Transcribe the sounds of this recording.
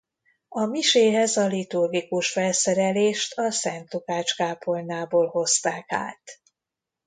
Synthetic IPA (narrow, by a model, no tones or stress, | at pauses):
ɒmiʃeːɦɛzɒlit̪urɡikuʃfɛlsɛɾɛleːʃt̪ʰɒsɛnt̪lukaːt͡ʃkaːpʰo̞lnaːboːlho̞st̪aːka̰ːt̪